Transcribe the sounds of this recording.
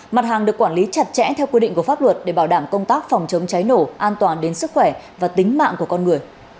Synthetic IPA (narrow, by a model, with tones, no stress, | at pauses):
ma˨˩t̚haː˨˩ŋɗɨ˨˩əkːwaː˧˩nli˨˦t͡ɕa˨˧˩t̚t͡ɕɛ̰˧˥t̪ʰɛ˧wkwi˧ɗḭ˧˨ŋ̟ku˧˩fa˦˥p̚lwə˨˩t̚ɗe˧˩ɓaː˧˩wɗaː˧˩mkə˧wŋ͡mt̪aː˦˥k̚fɔ˨˩wŋ͡mt͡ɕə˨˦wŋ͡mt͡ɕa˨˦jno˧˩ʔaː˧nt̪waː˨˩nɗe˨˦nsɨ˦˥k̚xwɛ˧˩vaː˨˩t̪ï˨˦ŋ̟ma̰ː˧˨ŋku˧˩əkɔ˧nŋɨ˨˩əj